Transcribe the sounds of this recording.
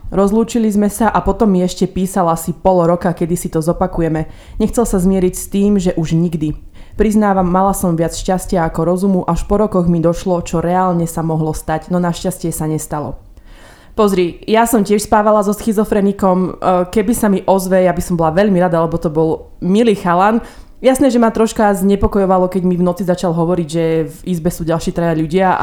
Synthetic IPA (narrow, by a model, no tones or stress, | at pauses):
ɾɔzluːt͡ʃilizmɛsaʔapɔt̪ɔmːiɛʃcɛpiːsalasipɔlɔɾɔkakɛd̪isit̪ɔzɔpakujɛmɛ | ɲɛxt͡sɛlsazmɪɛɾicst̪iːmʒɛʔuʒɲiɡd̪i | pɾiznaːʋamːalasɔmʋɪat͡sʃcascɪaakɔɾɔzumuʔaʃpɔɾɔkɔɣmid̪ɔʃlɔt͡ʃɔɾɛaːlɲɛsamɔɦlɔst̪aɟnɔnaʃcascɪɛsaɲɛst̪alɔ̰ | pɔzɾijasɔmcɪɛʃspaːʋalazɔsxizɔfɾɛnikɔmkɛbisamiʔɔzʋɛjabisɔmbɔlaʋɛʎmiɾad̪alɛbɔt̪ɔbɔl | miliːxalan | jasnɛːʒɛmat̪ɾɔʃkazɲɛpɔkɔjɔʋalɔkɛɟmivnɔt͡sizat͡ʃalɦɔʋɔɾiɟʒɛvizbɛsuːɟalˠʃiːt̪ɾɛjaʎuɟɪa